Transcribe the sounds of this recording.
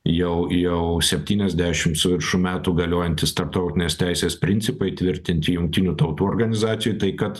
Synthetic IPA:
jɛʊjɛʊsʲɛpʲt̪ʲiːnʲɛzʲd̪ʲæʃʲɪmt̪sʊʋʲɪɾʃuːmʲæːt̪uːɡɐlʲoːjɛnʲt̪ʲɪst̪ɐɾp̚t̪ɐʊt̪ʲɪnʲeːst̪ʲæˑɪsʲeːspʲɾʲɪnʲtt͡ssʲɪpɐɪt̪ʲʋʲɪɾʲt̪ʲɪnʲt̪ʲɪjʊŋk̚t̪ʲɪnʲuːt̪ɐʊt̪uːɔrɡɐnʲɪzɑːt̪sʲɪjujt̪ɐɪkɐt̪

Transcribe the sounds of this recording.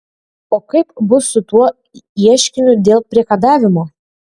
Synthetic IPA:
okɐjpbʊsut̪uɔ | iɛʃkʲɪnʲyd̪elˠpɾʲekad̪ɑvʲɪmo

